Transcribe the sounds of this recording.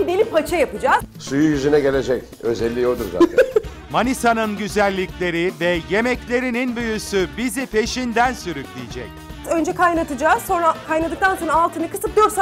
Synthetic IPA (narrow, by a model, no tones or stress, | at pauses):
d̪elʲipʰat͡ʃʰajapɯd͡ʒaːzsujujyzynɛɟe̞lʲe̞d͡ʒɛc | ø̞̰zɛlʲːijod̪uɾza̰ | manisanɯnɟyzælʲːiclʲe̞ɾivɛje̞mɛclʲe̞ɾininbyjysybizipʰe̞ʃind̪ænsyɾyklʲijid͡ʒɛc̪̚ | ø̞nd͡ʒɛkʰajnat̪ʰɯd͡ʒaːz̥so̞nɾakʰajnad̪ɯk̚t̪ʰanso̞nɾaːlˠt̪ʰɯnɯkʰɯ̥sɯp̚d̪ijoɾsa